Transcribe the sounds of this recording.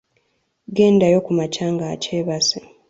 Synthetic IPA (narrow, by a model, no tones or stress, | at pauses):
ɡe̞ːndajo̞kumacaːŋɡaːcʰeːβase